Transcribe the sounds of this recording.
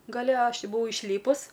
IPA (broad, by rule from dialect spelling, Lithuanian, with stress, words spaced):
ɡɐˈlʲɛ ˈɐʃ ˈtʲɪ bʊˈʋɐʊ ɪʃʲˈlʲiːpʊs